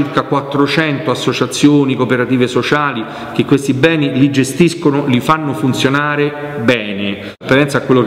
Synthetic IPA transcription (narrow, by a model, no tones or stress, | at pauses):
irkakwat̪ːɾot͡ʃɛnt̪oasːot͡ʃat̪sːjoːnikopeɾat̪iːvesot͡ʃaːli | k̟ekːwest̪ibɛːnilid͡ʒest̪iskonolifanːofunt̪sjonaːɾe | bɛːne | peɛnt̪sakːwelːok